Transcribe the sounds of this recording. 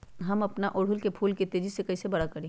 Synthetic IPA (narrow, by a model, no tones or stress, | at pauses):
ɦɐmɐpnaʔoːɽ̤ʊlkepʰuːlket̪eːd͡ʒisekɐisebɐɽakɐɾẽː